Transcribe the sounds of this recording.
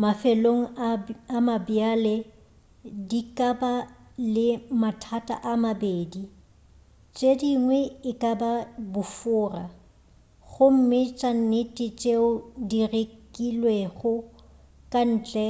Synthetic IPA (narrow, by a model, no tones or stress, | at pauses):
mafeloŋ̩amabjale | dikʼabalɪmatʰatʼa̰ʔamabeːdi | t͡ʃʼediŋwɛɪkʼababʊfʊːra | ɣʊm̩mɪt͡ʃʼan̩nɪtʼɪt͡ʃʼeʊdirekʼilweɣʊ | kʼan̩ːt͡ɬʼɛ